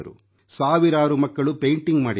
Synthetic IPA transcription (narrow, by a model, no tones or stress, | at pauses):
ɐɾṵ | saːʋiɾaːɾumɐkːɐɭupejɳʈiŋɡmaːɽi